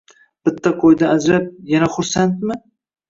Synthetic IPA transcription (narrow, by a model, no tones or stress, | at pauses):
b̥ɪt̪ʰːaqʰojd̪aːd͡ʒɾap̚janaχʊɾsant̪̚mɪ